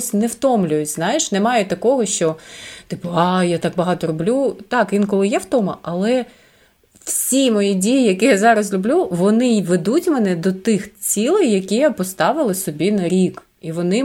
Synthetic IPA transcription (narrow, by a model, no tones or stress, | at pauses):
sʲnɛwt̪ɔmlʲʊjʊtʲznɑjɪʃnɛmɑjɛt̪ɐkɔɦɔʃt͡ʃɔt̪ɪpɔɑjat̪ɑk̚bɐɦɑt̪ɔlʲʊblʲut̪ɑkʋʲinkɔlˠɪjɛwt̪ɔmɐʔɐlˠɛ | wsʲimɔjidʲijijɐkʲijazɑɾɐzlʲʊblʲuʋɔnɪʋed̪utʲmɛnɛd̪ɔt̪ɪxt͡sʲilˠɪjjɐkʲijapɔst̪ɑʋɪlˠɪsɔbʲinɐɾʲik | iʋɔnɪ